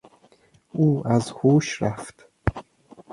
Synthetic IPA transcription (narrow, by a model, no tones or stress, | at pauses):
ʔuːæzhuːʃɾæft̪